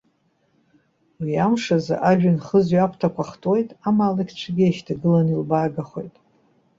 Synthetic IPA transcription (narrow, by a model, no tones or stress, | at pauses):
wiamʂaza̰ʔaʒᶣanχəzɥapʰtʰakʷʰaχtʼojtʼamaːlakʲʰt͡ʃʷʰaɡʲɪeʃtʰaɡɨlanilbaːɡaχojtʼ